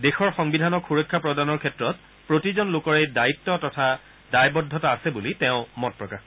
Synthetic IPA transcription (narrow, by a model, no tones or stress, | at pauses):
dexɔɹxɔŋbidʱanɔkxuɹɔkʰːapɹɔdanɔɹkʰɛtɹɔt | pɹotizɔnlʊkɔɹejdaitːɔtɔtʰa | dajbɔdʱːɔtaːsɛbulitɛʊ̃mɔt̚pɹɔkax